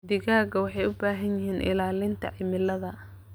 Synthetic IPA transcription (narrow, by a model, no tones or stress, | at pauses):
d̪ɪɣaːɡɐwɑħɑjʊbaːɦɐnjɪɦiːnʔɪ̰laːlɪnt̪ʰɐ̰ʕɪmɪlːɐðɐ